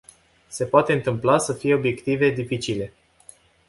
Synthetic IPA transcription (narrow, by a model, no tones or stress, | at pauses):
se̞poat̪e̞ɨnt̪ɨmplasəfije̞o̞bje̞kt̪ive̞d̪ifit͡ʃile̞